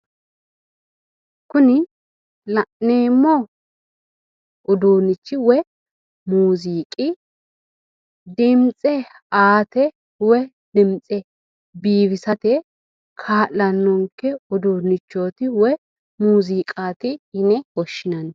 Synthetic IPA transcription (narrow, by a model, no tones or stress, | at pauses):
kʊnɪ | lɐʔneːmːɔ | ʊd̪oːnɪt͡ʃːɪwɛ | muːziːkʼɪ | d̪ɪmt͡sʼɛ | aːt̪ɛ | wɛ | d̪ɪmt͡sʼɛ | biːβɪsɐt̪ɛ | kʰaːʔɐnːɔŋkːɛʊd̪uːnɪt͡ʃːoːt̪ɪwɛ | muːziːkʼaːt̪ɪhɪnɛwɔʃːɪnɐn